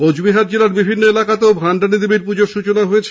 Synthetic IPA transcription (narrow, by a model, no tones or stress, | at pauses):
od͡ʑbiɦaɾd͡ʑelaɾbibʱinːoelakat̪eobʱaɳɖanid̪ibiɾpud͡ʑoɾʃut͡ɕonaɦojet͡ɕʰ